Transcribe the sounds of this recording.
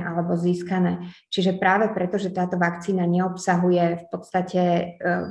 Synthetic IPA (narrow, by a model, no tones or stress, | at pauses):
ʔalɛbɔziːskanɛːt͡ʃiʒɛpɾaːʋɛpɾɛt̪ɔʒɛt̪aːt̪ɔʋakt͡siːnaɲɛɔpsaɦujɛfpɔt̪st̪acɛ